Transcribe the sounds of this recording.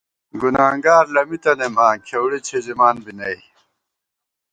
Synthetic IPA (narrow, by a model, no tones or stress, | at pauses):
ɡunaːŋɡaːɾlɐmit̪ɐnemaːkʰewɽet͡ɕʰezimaːnbinɐj